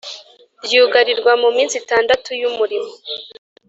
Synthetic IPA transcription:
bjuːɡaɾiɾɡwamumiːnsitaːndatujumuɾimo

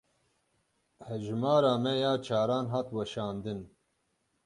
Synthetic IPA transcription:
hɛʒmɑːɾaːmɛjaːt͡ʃʰaːɾaːnɦaːt̪wɛʃɑːnd̪ɨn

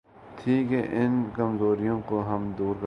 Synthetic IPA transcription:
t̪ʰiːkeʔɪnkɐmzoːɾijõkoɦɐmd̪uːɾk

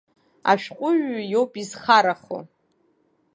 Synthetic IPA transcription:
a̰ʃᶣqʷʼʊʒᶣjowpʼizχaɾaχo̰

